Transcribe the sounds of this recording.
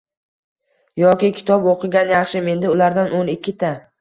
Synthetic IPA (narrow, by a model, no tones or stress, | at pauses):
jɒkʲɪkʲʰɪ̥t̪ʰɒboqʰɨɡʲanjɑχʃɪme̞nd̪ɪʊlaɾd̪anonɪkʲːɪt̪ʰa